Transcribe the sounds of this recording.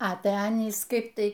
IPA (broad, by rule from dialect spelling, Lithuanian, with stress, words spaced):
ɐ ˈtʲæ ˈɑːnʲiːs ˈkɐɪp ˈtɐɪ